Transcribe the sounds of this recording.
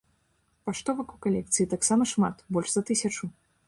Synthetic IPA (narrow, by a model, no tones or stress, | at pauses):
paʂt̪ɔvɐkukalʲɛkt̪sɨit̪aksamɐʂma̰t̪bɔlʲʂzɐt̪ɨsʲɐt͡ʂu